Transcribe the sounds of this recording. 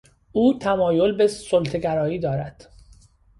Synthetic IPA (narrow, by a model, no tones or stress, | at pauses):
ʔuːt̪ʰæmɒːjolbe̞solt̪ʰeɡæɾɒːiːd̪ɒːɾæd̪̥